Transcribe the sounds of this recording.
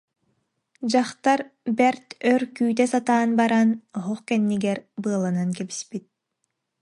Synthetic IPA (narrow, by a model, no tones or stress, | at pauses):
d͡ʑaχt̪aɾbɛɾt̪œɾkyːt̪ɛsat̪aːnbaɾanɔɦɔχkɛnːiɡɛɾbɯɐlˠanankɛbispit̪̚